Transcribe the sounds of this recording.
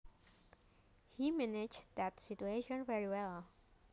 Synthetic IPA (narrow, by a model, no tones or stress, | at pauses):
himænɪd͡ʒðɨtsɪtueɪʃə̃nvɛɹiwɛlˠ